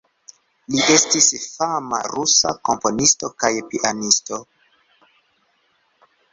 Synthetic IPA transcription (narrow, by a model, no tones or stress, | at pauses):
liʔe̞stisfama̰ɾusa̰ko̞mpo̞nisto̞kajpiʔanisto̞